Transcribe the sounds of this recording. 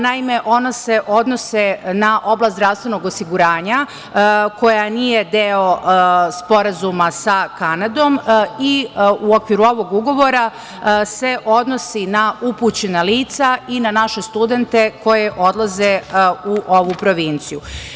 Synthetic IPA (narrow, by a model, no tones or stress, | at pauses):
naime̞ʔo̞nose̞ʔo̞d̪nosenaʔo̞blˠast̪ɾaʋst̪ʋe̞no̞ɡo̞siɡuɾaːɲa | ko̞janije̞d̪eo̞spo̞ɾazumasakanad̪o̞miuo̞kʋiɾuo̞ʋo̞ɡuɡo̞ʋo̞ɾa | se̞ʔo̞d̪no̞sinauput͡ɕe̞naliːt̪sainanaʃe̞st̪ud̪e̞nt̪e̞ko̞jeʔo̞d̪lˠaze̞uʔoʋupɾo̞ʋint̪siju